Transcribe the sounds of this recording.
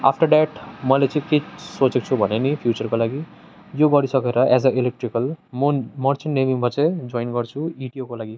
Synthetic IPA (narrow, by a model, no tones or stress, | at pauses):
a̰pʰʈʌrɖɛʈmʌlet͡sʌ̃ĩkesot͡sek̚t͡sʰubʱʌnenipʰjut͡sʌrkolaɡi | joɡʌɾisʌkeɾʌʔɛzʌʔilek̚ʈrikʌl | mʌrt͡sinːebimbʱʌt͡sʌ̃d͡zojnɡʌrt͡sʰuiʈiokolaɡi